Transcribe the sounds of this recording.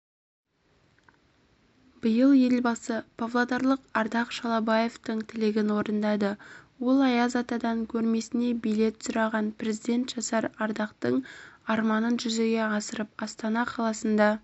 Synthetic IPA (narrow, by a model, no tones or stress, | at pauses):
b̥əjəlˠje̞lbɑsəpʰovlˠod̪ɑɾlˠəqɑɾd̪ɑqʃɑlˠɑbɑje̞ft̪əɴt̪ʰɪlɪɡʲɪnwo̞ɾənd̪ɑd̪əwo̞lˠɑjɑzɑt̪ɑd̪ɑŋkʲʰɵɾme̞sɪne̞bijle̞t̪sʊɾɑʁɑnpɾe̞zid̪e̞nt̪ʒ̥ɑsɑɾɑɾd̪ɑqt̪əɴɑɾmɑnənʒʏze̞ɡʲe̞ɑsəɾəp̚ɑst̪ɑnɑqʰɑlˠɑsənd̪ɑ